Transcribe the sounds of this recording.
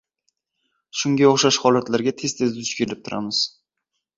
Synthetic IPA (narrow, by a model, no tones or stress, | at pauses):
ʃʊŋɡʲaoχʃaʃhɒlˠat̪laɾɡʲat̪ʰe̞st̪ʰe̞zɪʊ̥t͡ʃkʲʰelɪp̚t̪ʰʊɾʔa̰mɪz̥